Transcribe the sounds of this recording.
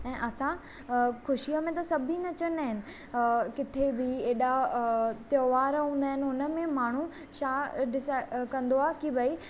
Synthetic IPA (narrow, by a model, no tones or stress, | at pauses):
ɛ̃ːʔɐsã | xʊʃiəmẽt̪ɐsɐbʱinɐt͡ɕənaːɦɪnɪ̆ | kɪt̪ʰebɪeːɗat̪joːʋaːɾɦũːnd̪aːɦɪnɪ̆ʊnə̆mẽmaːɳ̤u | ʃaːɖɪsaɪkɐ̃nd̪oaːkibɐi